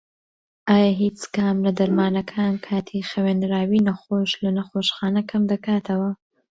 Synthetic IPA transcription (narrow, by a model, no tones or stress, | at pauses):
ʔaːjaːɦiːt͡sɡaːmlɐd̪ɐɾmaːnɐkʰaːnkʰaːt̪ʰixɐweːnɾaːwiːnɐxoʃlɐnɐxoːʃxaːnɐkʰɐmd̪ɐkaːt̪ʰɐwɐ